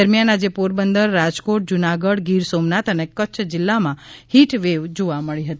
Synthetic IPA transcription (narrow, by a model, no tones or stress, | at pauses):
əɾmjanad͡ʒepoɾbənd̪əɾːad͡ʒkoʈ̚d͡ʒunaɡəɽɡiɾsomnat̪ənekətːt͡ʃʰd͡ʒɪlːamãhiʈʋeʋd͡ʒoʋaməɭiɦət̪i